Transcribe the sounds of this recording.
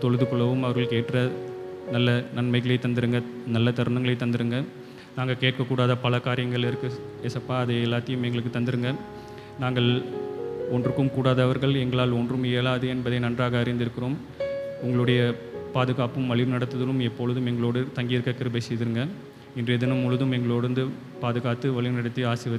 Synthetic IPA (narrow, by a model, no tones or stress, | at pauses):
t̪ɔɻɯðɯkɔɭɐʋɯmɐʋɐɾɣɐɭkeːʈːrɐnɐlːɐnɐnmɐɪɣɐɭɐɪt̪ɐnd̪ɪɾɯŋɡɐnɐlːɐt̪ɐɾɯnɐŋɡɐɭɐɪt̪ːɐnd̪ɪɾɯŋɡɐ | naːŋɡɐkeːʈ̚kɐkːuːɽaːðɐpɐlɐkaːɾɪjɐŋɡɐɭɪɾkːɯ | ɛsɐpːaːɐðɐɪɛlːaːt̪ːɪjɯmɛŋɡɐɭɯk̬ːɯt̪ɐnd̪ɪɾɯŋɡɐ | naːŋɡɐɭ | ɔndrɯkːɯmkuːɽaːðɐːʋɐɾɣɐɭɛŋɡɐɭaːlɔndrɯmɛlaːðɯɛnbɐðɐɪnɐndraːɣɐɐɾɪnd̪ɪɾɯkːɪɾoːm | ʊŋɡɐɭɯɽɐjɐ | paːðɯɣaːpɯmʋɐɭɪɾnɐɽɐt̪ːɐðɐlɯmɛpːoːɭɐðɯmɛŋɡɐɭoːɽɯt̪ɐŋɡɪjɪɾɯkːɐkɪɾɯbɐɪsɛjðɪɾɯŋɡɐ | ɪndrɛðɐnɯmːʊɻɯðɯmɛŋɡɐɭoːɽɪɾɯnd̪ɯ | paːðɯɣaːt̪ːɯʋɐɭɪnɐɽɐt̪ːiaːsɪʋɐð